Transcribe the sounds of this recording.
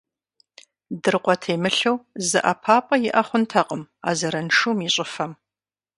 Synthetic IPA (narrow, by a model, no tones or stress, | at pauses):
dɨrqʷʼɔtʰeːmɨɬɐwzɨ̰ʔɐpʰaːpʼɐjɪʔɐχʷʊntʰɐqʼəm | a̰ːzɐɾɐnʂumiɕʼɪfɐm